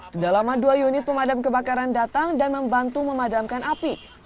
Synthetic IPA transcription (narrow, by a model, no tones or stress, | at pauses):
t̪idalamaduajunɪt̪̚pəmadamkəbakaɾandat̪aŋdanməmbant̪uməmadamkanʔapi